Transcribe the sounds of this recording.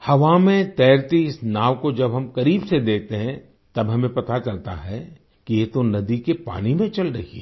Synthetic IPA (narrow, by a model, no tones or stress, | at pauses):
hɐʋamẽt̪ɛːɾt̪iɪsnaːʋkod͡ʒɐbɦɐmkɐɾiːbsed̪eːk̚ʰt̪eɦɛ̃ | t̪ɐbɦɐmẽpɐt̪at͡ʃɐlt̪a̰ɦɛ | kijet̪onɐd̪ikepa̰ːnimẽt͡ʃɐlɾɐɦiɛ